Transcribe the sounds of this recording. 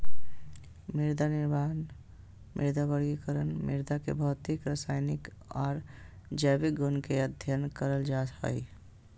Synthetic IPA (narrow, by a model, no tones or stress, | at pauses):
miɾd̪aniɾman | mʔḭɾd̪abəɾɡikəɾənmḭɾd̪akḛbʱəʊt̪ikɾəsaɪnik | ɔːɾd͡ʒəbik̚ɡunkeəd̪ʱjənkəɾəld͡ʒat̪ɦə̰j